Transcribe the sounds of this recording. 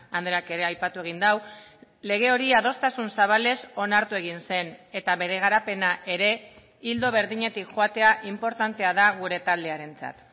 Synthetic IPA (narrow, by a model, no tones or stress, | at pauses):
and̪ɾeake̞ɾe̞ajpat̪ue̞ɣ̞ind̪awle̞ɣ̞e̞o̞ɾiaðo̞st̪asunsaβ̞ale̞so̞naɾt̪ue̞ɣ̞inse̞ne̞t̪aβe̞ɾe̞ɣ̞aɾape̞naʔe̞ɾe̞ | ild̪o̞β̞e̞ɾðiɲe̞t̪ikʝoat̪e̞aʔimpo̞ɾt̪ant̪e̞aðaɣ̞uɾe̞t̪ald̪e̞aɾe̞nt͡sa̰t̪